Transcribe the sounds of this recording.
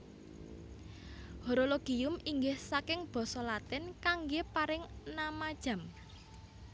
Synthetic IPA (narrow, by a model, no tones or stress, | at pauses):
hoɾoloɡ̥iʊmiŋɡɪhsakɪŋb̥ɔ̤sɔlat̪ɪnkaŋɡepaɾɪŋnamad̥ʒ̥a̤m